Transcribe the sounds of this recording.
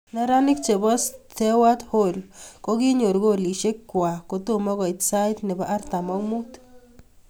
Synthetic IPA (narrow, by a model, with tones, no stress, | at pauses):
na˦ɾa˦nɪ˦k̚t͡ʃe˨bɔ˦stʰe˦wa˦tho˦lko˦ki˦ɲo˨ɾɡo˦li˨ʃe˦kkːwa˨ko˨to˦mɔ˦ɣɔ˨i˨tsa˦jtnɪ˨baʔa˦rta˨mɔ˦kmu˦t